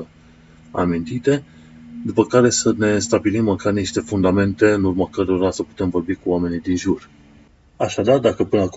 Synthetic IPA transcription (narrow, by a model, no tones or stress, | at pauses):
a̰mint̪it̪e̞ | d̪upəkaɾe̞səne̞st̪abilimːəkarniʃt̪e̞fund̪ame̞nt̪e̞ɨnurmakəɾo̞ɾasəpu̥t̪e̞mvo̞rbikuame̞nid̪inʒur | aʃad̪ard̪akəpɨnəak